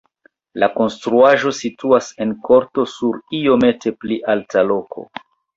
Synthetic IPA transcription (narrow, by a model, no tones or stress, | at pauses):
lako̞nstɾuaʒo̞situase̞nko̞ɾto̞suɾio̞me̞te̞pliʔaltʰalo̞kʰo̞̰